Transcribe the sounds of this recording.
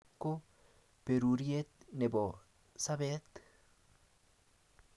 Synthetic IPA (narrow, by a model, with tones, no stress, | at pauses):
kːo˦ | peɾu˨ɾiet̪ne˨bo˨ | sa˦bet̪